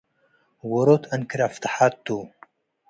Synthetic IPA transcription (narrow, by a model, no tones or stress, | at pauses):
woɾoːt̪ʰɐnkiɾaft̪aħat̪ːu